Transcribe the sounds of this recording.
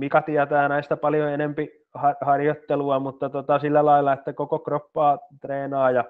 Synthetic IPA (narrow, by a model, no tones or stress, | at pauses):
mikɑt̪iæt̪æːnæist̪ɑpɑljoenempi | hɑrhɑrjot̪ːeluɑmut̪ːɑt̪ot̪ɑsilːælɑilːˑɑet̪ːækokokropːɑːt̪reːnɑːjɑ